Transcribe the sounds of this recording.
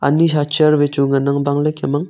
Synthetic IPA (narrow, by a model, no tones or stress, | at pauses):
a̰nisat͡ʃɐɾbet͡ʃuŋanaŋbaŋlɯkemaŋ